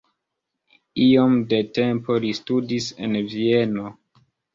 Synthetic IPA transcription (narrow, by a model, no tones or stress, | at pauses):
iomdete̞mpo̞listudise̞̰nvie̞no